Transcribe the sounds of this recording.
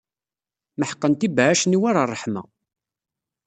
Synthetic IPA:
məħə̥qːənt̪ibaʕaʃniwaɾarˤːəħmæ̰

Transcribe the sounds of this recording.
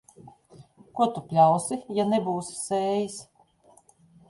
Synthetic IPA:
kuɔt̪upʲlʲawsijanebuːsseːjis

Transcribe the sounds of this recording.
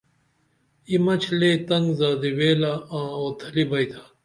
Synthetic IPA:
imɐt͡ɕʰleːt̪ɐŋɡzaːd̪iweːlaãːoːt̪ʰɐlibɐjt̪ʰḁː

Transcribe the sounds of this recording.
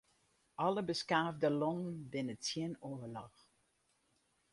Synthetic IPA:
ʔɑləbəskaːvdəlɔŋnbɪnət͡sjɪnovəlɑx

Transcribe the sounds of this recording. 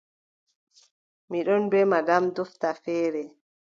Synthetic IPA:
miɗɔnbɛmaɡamdɔftafɛːɾɛ

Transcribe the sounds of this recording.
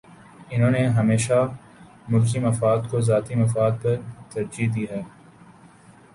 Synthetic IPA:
ɪnɦõːneɦɐmeːʃa | mʊlk̬imɐfaːd̪kozaːt̪imɐfaːd̪̚pɐɾt̪ɐɾd͡ʒid̪iːɦɛː

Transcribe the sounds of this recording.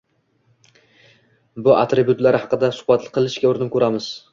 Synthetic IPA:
bʊʔa̰t̪ɾɪbjʊt̪laɾɪhɑqɨd̪asʊ̥hbat̪lɪ̥qʰɨlˠɪʃkʲaʊɾɪnɪpkʰʲɵɾamɪz̥

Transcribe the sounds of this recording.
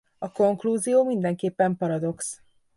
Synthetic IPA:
ɒko̞ŋkluːzijoːmind̪ɛŋkeːpːɛmpɒɾɒd̪o̞ks

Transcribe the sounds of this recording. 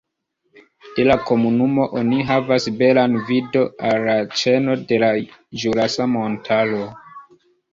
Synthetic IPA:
d̥e̞lako̞munumo̞ʔoniɦavasbe̞lanvido̞alːat͡ʃe̞no̞de̞laʒuɾasamontʰalo

